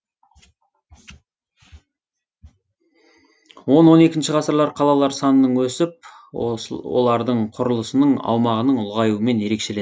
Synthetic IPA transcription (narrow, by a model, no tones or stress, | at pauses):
wo̞nwo̞ne̞kʲɪnʃɪʁɑsəɾlˠɑɾqʰɑlˠɑlˠɑɾsɑnənəɴwɵsɪp̚ | o̞lˠɑɾd̪əɴqʰʊɾəlˠəsənəɴɑ̰wmɑʁənəɴʊlˠʁɑjuəme̞nje̞ɾe̞kʃe̞le